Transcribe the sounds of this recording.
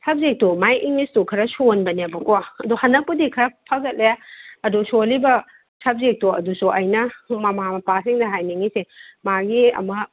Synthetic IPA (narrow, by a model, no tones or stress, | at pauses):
sʰɐb̚zek̚tomajʔiŋnistukʰɐɾɐsonbɐnebɐkoaɐduhɐnɐkpːudikʰɐɾɐpʰɐɡɐt̚leaɐdusolibɐ | sʰɐb̚zek̚toɐ̰dusuʔɐjnɐmɐmamɐpasiŋdɐɦajniŋisemaɡiɐ̰mɐ